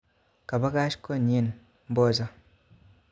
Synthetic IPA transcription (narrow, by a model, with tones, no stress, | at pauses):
ka˨ba˦ka˦ʃko˦˨n˨i˦˨n | m̩˦bo˦˨za˦